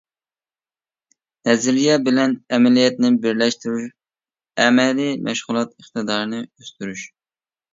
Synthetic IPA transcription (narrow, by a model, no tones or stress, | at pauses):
nɛzɪɾijɛbɪlɛnɛmɛlijɛt̪nɪbɪɾlɛʃt̪yɾyʃ | ɛmɛlimʔɛ̰ʃʁʊlˠɑt̪əχt̪ɨd̪ɑːɾnɨøst̪yɾyʃ